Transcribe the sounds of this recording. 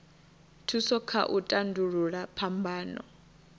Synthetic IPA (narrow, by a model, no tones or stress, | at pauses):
tʰusɔkʰa̰ʔutʼanduɺuɺapʰambaːnɔ̰